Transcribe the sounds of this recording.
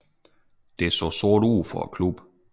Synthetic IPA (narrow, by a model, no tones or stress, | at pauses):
d̥e̝æɐsɔ̰sɔɐd̥ṵːfɒ̽kʰlub̥